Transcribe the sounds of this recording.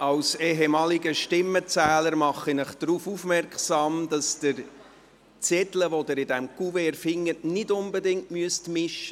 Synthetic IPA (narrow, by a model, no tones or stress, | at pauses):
ɑwsɛɦemɑːliɡəʃtɪmːət͡sæːləɾmɑχinəχd̪̥ɾufufmɛrkχsɑːmd̥ɑsd̥ɪɾ | t͡sɛtləʋodəɾɪdæmkuveɛɾfɪŋːətnɪdʊnbədɪŋtmyəstmɪʃə